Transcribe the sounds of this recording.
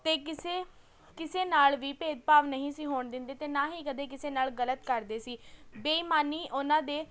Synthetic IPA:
t̪eːkɪseː | kɪseːnaːlʋiːpeːd̪̚paːʋnəɦĩːsiːɦoːɳd̪ɪ̃nd̪eːt̪eːnaːɦiːkəd̪eːkɪseːnaːlɡələt̪kəɾd̪eːsiːbeːimaːniːʔʊnãːd̪eː

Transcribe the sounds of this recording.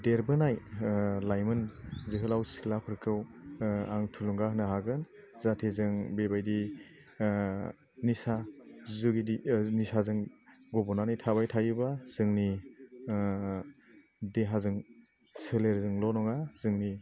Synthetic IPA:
deɾbɯnajlajmɯnzɯɦɯlawsi̥klapʰɯɾkʰɯwaŋtʰuluŋɡaɦnaɦaɡɯn | zatʰezɯŋbebajdi | nisazuɡidinisazɯŋɡɔbɔnanɯjtʰaβajtʰajɯbaz̥ɯŋni | deɦazɯŋ | sɯleɾzɯŋlɔnɔŋaz̥ɯŋni

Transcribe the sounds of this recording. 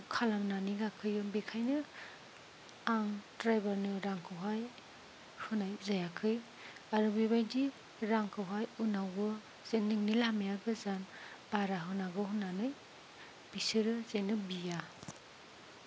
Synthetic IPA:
kʰalamnaniɡakʰɯjɯbekʰajnɯ | aŋtɾajbaɾnɯɾaŋkʰɯwɦaj | hɯnajzajakʰɯj | aɾubibajdi | ɾaŋkʰawɦajunawɯ | zenːiŋnilamejaɡɯzanb̥aɾaɦɯnaɡɯɦunanɯj | b̥isiɾɯzenɯbija

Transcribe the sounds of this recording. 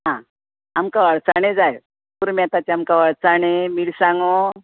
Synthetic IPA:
ɦã | amkaʋaɭt͡saɽ̃ed͡zaj | puɾmɛat̪at͡ɕeamkaʋaɭt͡saɳ̃emiɭsãŋɡo

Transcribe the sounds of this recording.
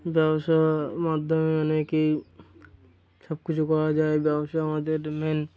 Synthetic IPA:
bjɛbsamad̪ʱjəmeaneki | səb̚kut͡ʃʰkɔɾad͡ʒaːebjɛbəsamad̪eɾmen

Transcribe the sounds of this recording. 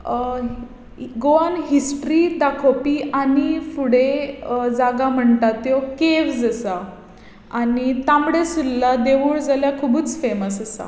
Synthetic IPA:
ɡoanɦisʈɾid̪akʰopiːʔanifuɽed͡zaɡam̤əɳt̪at̪jokeʋd͡zəsa | anit̪ãmɽesulːad̪eʋuːɭd͡zaljakʰubuːt͡sfeməsəsa̰

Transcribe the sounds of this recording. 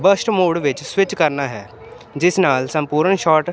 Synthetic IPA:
bəsʈmoːɖʋɪt͡ʃswɪt͡ʃkəɾnaːɦɛː | d͡ʒɪsnaːlsə̃mpuːɾəɳʃɔːʈ

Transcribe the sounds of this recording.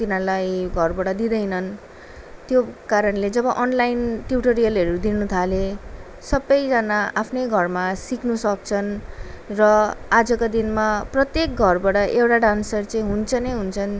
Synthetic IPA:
t̪inalajɡʱʌrbaɽʌd̪id̪ʌjnʌn | t̪jokaɾʌnled͡zʌbʌʔʌnlajnʈjuʈʌɾijʌlʌɾud̪inut̪ʰale | sʌbʌjd͡zanaapʰnʌjɡʱʌrmasiknusʌk̚t͡sʰʌn | rʌad͡zʌkod̪inmaprʌt̪jek̚ɡʱʌrbaʈʌʔewʈaɖansʌrt͡sʌĩɦunt͡sʰʌneɦunt͡sʰʌn

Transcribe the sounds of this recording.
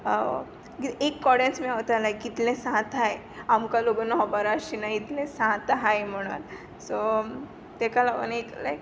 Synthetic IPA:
ɡiekːɔɽẽnsmiaʋt̪alajkit̪lẽsãt̪ɦaj | amkaloɡənɔɦɔbaɾaːɕinait̪lẽsãt̪ɦajm̤əɽ̃ṵn | sɔ | t̪ekalaʋə̰nik̪laj

